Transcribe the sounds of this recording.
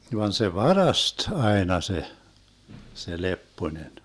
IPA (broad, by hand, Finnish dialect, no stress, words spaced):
ʋɑn se ʋɑrɑst ɑenɑ se se lepːonen